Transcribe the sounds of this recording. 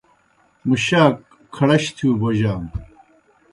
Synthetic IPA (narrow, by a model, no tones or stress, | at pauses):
muɕaːkʰː | ɐɽɐɕt̪ʰuːboʑaːm